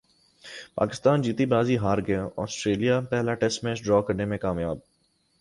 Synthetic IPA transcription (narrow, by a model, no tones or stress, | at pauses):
pa̰ːkɪst̪aːnd͡ʒiːt̪ibaːziɦaːɾɡəjãʔɔ̰ːsʈɾeːlijapɛɦlaʈɛsʈmẽːsɖɾɔːkɐɾnemẽkaːmjaːb̚